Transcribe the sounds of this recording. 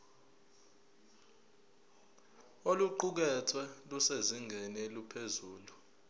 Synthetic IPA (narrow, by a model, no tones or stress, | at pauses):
oluǃuk̬ɛtʰwɛluseziŋɛnelupʰezuːlu